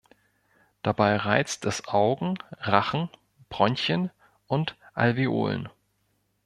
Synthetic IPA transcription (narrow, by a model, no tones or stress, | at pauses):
d̥abaɪʁaɪt͡stɛsʔaʊɡŋ̩ʁaχn̩ | b̥ʁɔnçən | ʔʊntʔa̰lvio̰ːlə̰n